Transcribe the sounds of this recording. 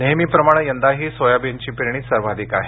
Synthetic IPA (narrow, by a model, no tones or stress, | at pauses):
neɦmiːpɾəmaɽ̃əjənd̪aɦiːsojabjəɲt͡ɕiːpɾiɽ̃iːsəɾʋad̪ʱikaɦe